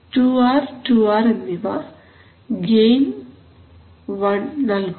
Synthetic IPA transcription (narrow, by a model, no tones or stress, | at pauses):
ʈuːaːɾʈuːaːɾenːiʋa | ɡeːm | ʋɐnːɐlɡ